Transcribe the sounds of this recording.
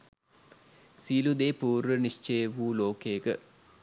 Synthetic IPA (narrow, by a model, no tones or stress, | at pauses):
siːlud̪eːpuːɾʋəniʂt͡ʃejəʋuːloːkejəkə̰